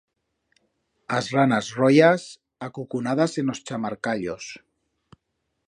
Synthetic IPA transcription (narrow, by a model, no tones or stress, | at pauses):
azranazrojas | akukunaðazenost͡ʃamaɾkaʎos